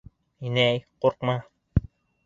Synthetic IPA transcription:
inæjquɾqmɑ

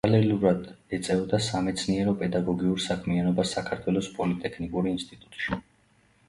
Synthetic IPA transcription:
alɛluɾad̪ɛt̪sʼɛvd̪asamɛt̪sʰniɛɾɔpʼɛd̪aɡɔɡiuɾsakʰmianɔbasːakʰaɾt̪ʰwɛlˠɔspʼɔlit̪ʼɛkʰnikʼuɾiːnst̪ʼit̪ʼu̥t̪ʼʃi

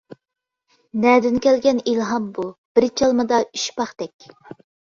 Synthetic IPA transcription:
nɛd̪ɪnkʲɛlɡʲɛnilɦɑmbub̥ɪɾt͡ʃʰɑlˠmɨd̪ɑyʃpɑχt̪ɛkʲ

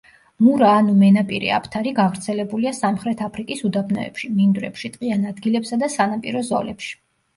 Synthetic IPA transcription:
muɾaːnumɛnapʼiɾḭa̰pʰt̪ʰaɾiɡavɾt̪sʰɛlɛbuliasamχɾɛt̪ʰapʰɾikʼisud̪abʰnɔ̰ɛ̰pʃimind̪ɾɛ̰pʃit̪ʼqʼianad̪ɡilɛpsad̪asanapʼḭɾɔzɔ̰lɛpʃi̥

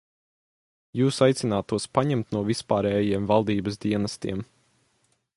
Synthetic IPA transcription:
juːsajt̪sinaːt̪uɔspaɲɛmt̪nuɔvispaːɾɛːjiɛmvalˠd̪iːbəs̬d̪iɛnɐst̪ḭɛm

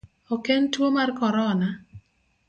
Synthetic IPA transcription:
ɔkentwomarkɔɾɔna

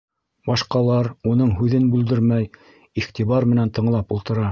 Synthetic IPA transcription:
bɑʃqɑlˠɑɾunɤɴɦʉðɘnbʉld̪ɘɾmæj | iχt̪iβɑɾmɘ̆nænt̪ɤ̆ɴlˠɑpulˠt̪ɤ̆ɾɑ

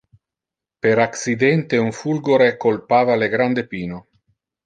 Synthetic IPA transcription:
peɾaksid̪ɛnt̪euɱfulɡoɾekːolpaːvaleɡɾand̪epiːno

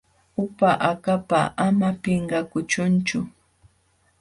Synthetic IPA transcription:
ʊpaʔakapaamapeɴɢɑkʊt͡ʃʊnt͡ʃʊ

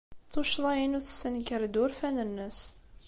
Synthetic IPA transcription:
θuʃðˤɑjənuθsənkəɾd̪ʊɾfænənːəs

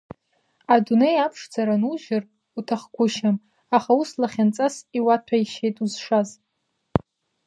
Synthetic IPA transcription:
adune̞japʰʂd͡zaɾanuʒɪr | utʰaχkʷʊʃam | aχauslaχʲant͡sʼasiwatʰaiʃejtʼuzʂaz

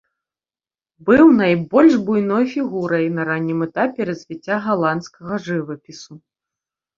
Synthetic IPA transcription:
bɨwnajbɔlʲʐbujn̪ɔjfʲiɣuɾɐjnɐɾanʲːimɛt̪apʲɛɾɐzʲvʲit͡sʲːaɣalˠant̪skɐɣɐʐɨvɐpʲisu

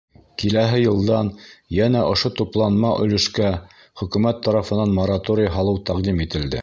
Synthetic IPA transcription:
kilæɦɘjɤ̆lˠd̪ɑnjænæʔŏʃot̪uplˠɑnmɑʔɵ̆lɵ̆ʃkæ | χɵ̆kʉmæt̪ːɑɾɑfɤ̆nɑnmoɾat̪oɾʲɪjɦɑlˠɤwt̪æqd̪imit̪ɘ̆ld̪ɘ̰

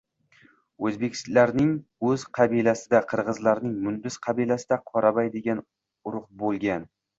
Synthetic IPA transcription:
ɵzbe̞kʲʰɪ̥slaɾnɪŋɵz̥qʰɑbilasɪd̪aqʰɨɾʁɨzlaɾnɪŋmʊnd̪ɪsqʰɑbilasɪd̪aqʰɒɾabajd̪eɡʲan | ʊɾʊqbolˠɡʲan

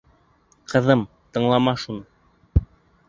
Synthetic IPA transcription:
qʰɤ̆ðɤm | t̪ɤ̆ɴlˠɑmɑʃunɤ

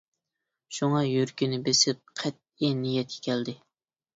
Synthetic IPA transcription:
ʃuŋɑjøɾkʲinɪbesɪp̚qʰɛt̪̚inijɛt̪̚kʲʰɛ̥kʲʰɛld̪ɪ

